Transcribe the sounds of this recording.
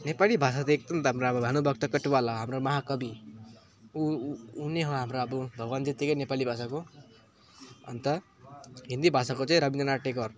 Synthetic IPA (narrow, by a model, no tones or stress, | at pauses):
nepalibʱas̬at̪ek̚t̪ʌmt̪ʌɦamɾbʱanubʱʌk̚t̪ʌkʌʈuwalʌɦamɾomʌɦakʌbi | uuneɦoɦamɾoʌbʌbʱʌɡwand͡zʌt̪ikʌjnepalibʱasako | ʌ̰nt̪ʌ | ɦind̪ibʱasakot͡saĩɾʌbindʌnaʈekʌr